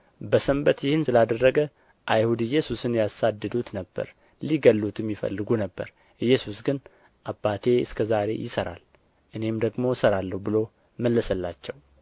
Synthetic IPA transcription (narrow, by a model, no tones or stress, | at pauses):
bəsəmbət̪jɪhɨnsɨlad̪ərːəɡə | ʔajhud̪ɨjːɛsusɨnjasad̪ːɨd̪ut̪nəbːə̰ɾ | liɡəlːut̪ʰɨmːifə̰lːɨɡunəbːə̰ɾ | ɨjːɛsusɡɨn | ʔabːat̪ʰe̞ɨskʰəzaɾe̞̰jɪsəɾa̰l | ʔɨne̞md̪əɡmo̞səɾalːəhbɨlo̞ | məlːəsəlːat͡ʃːɛw